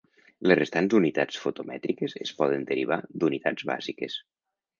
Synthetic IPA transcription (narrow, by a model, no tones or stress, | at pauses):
lezrest̪anzd̪unit̪at͡sfot̪omɛt̪ɾikezespɔð̞ənd̪əɾiβ̞ad̪unit̪ad͡zβa̰zikes